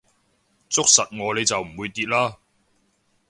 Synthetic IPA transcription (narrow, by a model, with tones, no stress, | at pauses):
t͡sʊ˥k̚sɐ˨t̚ŋɔː˨˧le˨˧jt͡sɐ˨wm̩˨˩wuː˨˧jt̪iː˧t̚laː˥